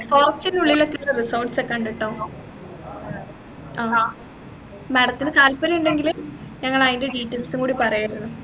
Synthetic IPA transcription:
foːrɐstinuɭːilo̞kːelɐrisɐːʈsekːɐɳɖiʈːoː | aː | mɐɽɐt̪ːinɨt̪aːlpɐɾɐjuɳɖe̞ŋɡilɨmɲɐŋːɐɭɐðindeɖiːʈːeːlsuŋkuːɽipɐrɐjaɾɐnu

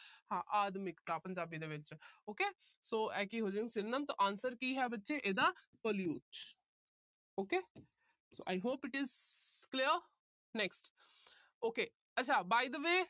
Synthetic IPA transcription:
hãːʔaːd̪mɪkt̪aːpəɲd͡ʒaːbiːd̪eːʋɪt͡ʃoːkeːsoːɛːkiɦoːd͡ʒ̃ŋsɪnnəmt̪oʔãːnsəɾkiːɦɛːbətːʃeːʔeːd̪aːpəljuːʈ | oːkeː | so̰ːʔajɦoːpɪʈɪzkliəɾ | nɛksʈ | oːkeː | ɐtːʃʰaːbaːjd̪əʋeː

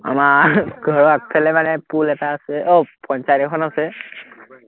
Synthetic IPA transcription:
a̰maɡʱɔɹɔak̚pʰɛlɛmanɛpulɛtaːsɛʔopɔnsajɾɔkʰɔnasɛ

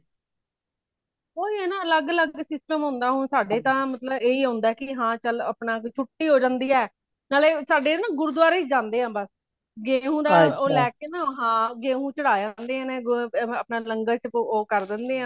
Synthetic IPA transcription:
oːiːɛːnaːələɡələɡsɪsʈəmɦʊ̃ːnd̪aːɦʊnsaːɖeːt̪ãːmət̪ləbeːiːɦõːnd̪aɛkɪɦãːt͡ʃələpnaːt͡ʃʰʊʈːiːɦoːd͡ʒãːnd̪iːɛː | naːleːsaːɖeːnãːɡʊɾud̪ʋaːɾeːt͡ʃd͡ʒãːnd̪eːãːbəs | ɡeːɦũːd̪aːoːlɛːk̚eːnãːoɦãːɡẽːɦũːt͡ʃəɽaːd͡ʒãːnd̪eːãːnẽːɡəpnaːləŋɡəɾt͡ʃoːkəɾd̪ɪnd̪eːɦãː

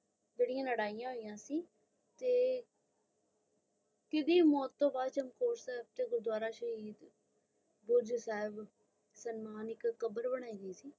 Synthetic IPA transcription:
d͡ʒeːɽijãːləɽaːijãːɦoːijãːsiː | t̪eː | kɪd̪iːmɔːt̪ːõːbaːd̪t͡ʃəmkoːɾsɛːb̚t̪eːɡʊɾd̪waːɾaːʃəɦiːd̪ | bʊɾd͡ʒsɛːɪb | sənmaːnɪkːəbəɾbəɽ̃aːiːɡəiːsiː

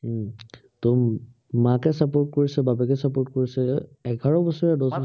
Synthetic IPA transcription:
tɔ | mãkɛsapoɹtkoɹisɛbabɛkɛsapoɹtkoɹisɛɛɡʱaɹɔbɔsɔɹɛdɔsɔ

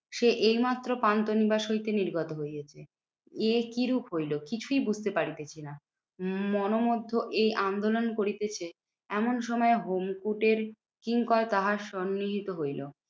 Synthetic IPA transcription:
ʃeʔejmat̪ːɾopant̪onibaʃoit̪eniɾɡɔt̪oɦojet͡ɕʰe | ekiɾukɦojlokit͡ɕʰujbud͡ʑʱt̪epaɾit̪et͡ɕʰina | mɔnomod̪ʱːoʔejʔand̪olonkoɾit̪et͡ɕʰe | ɛmonʃɔmɔeɦomkuʈeɾ | kiŋkɔɾt̪aɦaʃɔnːiɦit̪oɦojlo

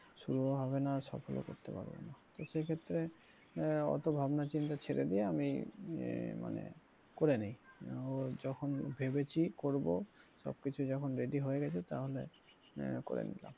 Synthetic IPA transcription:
ʃuɾuoɦɔβenasɔ̰pʰɔlo̰ko̰ɾt̪epa̰ɾbo̰nat̪osekʰet̪ːɾe | ɔ̰t̪obʱabnat͡ɕint̪at͡ʃʰeɾḛd̪ijeami | ma̰nḛ | koɾenejod͡ʒɔkʰɔnbʱebet͡ɕʰikoɾbosɔ̰b̚kit͡ʃʰud͡ʒɔkʰɔnɾeɖiɦoeɡɛt͡ʃʰet̪aɦolḛ | ko̰ɾḛnḭla̰m

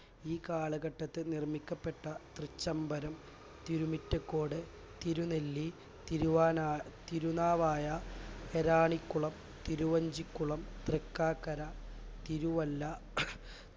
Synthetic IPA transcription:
iːkaːɭɐɡɐʈːɐt̪ːɨnirmikʲːɐpːe̞ʈːɐt̪rɨt͡ɕːɐmbɐɾɐm | t̪iɾumitːɐkːoːɽɨ | t̪iɾunelːi | t̪iɾuʋaːnaːt̪iɾunaːʋaːjɐeɾaːɳikːuɭɐm | t̪iɾuʋɐɲd͡ʑikʲːuɭɐmt̪rikːaːkːɐɾat̪iɾuʋɐlːɐ

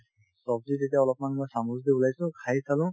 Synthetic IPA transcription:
sɔb̚zizetiaɔlɔp̚manmɔjsamuzdiulajsũkʰajisalũ

